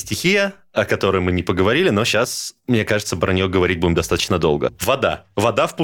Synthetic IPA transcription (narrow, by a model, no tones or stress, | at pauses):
sʲtʲɪxʲijə | ɐkɐt̪o̞ɾəjmɨnʲɪpəɡəvɐɾʲilʲɪno̞ɕːasmnʲekaʐɨt̪səpɾənʲɪjoɡəvɐɾʲit̚ʲbudʲɪmd̪ɐst̪at̪ə̥t͡ɕnəd̪o̞lˠɡə̰vɐd̪a̰vɐd̪afpu